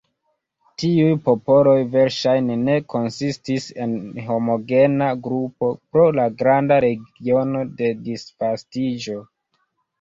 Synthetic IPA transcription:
tiujpo̞po̞lo̞jve̞ɾʃajnene̞kʰo̞nsistise̞nɦo̞mo̞ɡe̞naɡɾupo̞pɾo̞laɡɾandaɾe̞ɡio̞no̞de̞disfastid͡ʒo̞

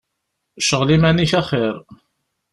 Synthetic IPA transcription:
ʃəʁlimæniçæχɪɾ

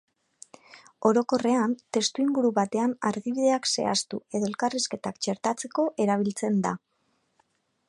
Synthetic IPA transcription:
o̞ɾo̞ko̞re̞ant̪e̞st̪uiŋɡuɾuβat̪e̞anaɾɣiβiðe̞akse̞̰a̰st̪ue̞ðo̞e̞lkariske̞t̪akt͡ʃe̞ɾt̪at͡se̞ko̞ʔe̞ɾaβ̞ilt͡se̞nd̪a

